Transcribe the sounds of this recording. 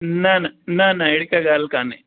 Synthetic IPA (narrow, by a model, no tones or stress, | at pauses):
nannanɐjɽikɐɡaːlkaːni